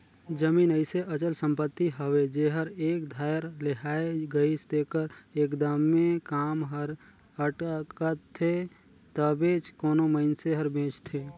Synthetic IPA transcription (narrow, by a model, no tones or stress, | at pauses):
d͡ʒəmiːnəɪseʔət͡ʃəlsə̃mpət̪ːiɦəʋed͡ʒeɦəɾeːkd̪ʱaːjəɾleɦaːeɡəist̪ekəɾeːkd̪əmːẽkaːmɦəɾ | əʈkət̪ʰːe | t̪əbeːt͡ʃkoːnoməɪnseɦəɾbʱẽːt͡ʃt̪ʰeː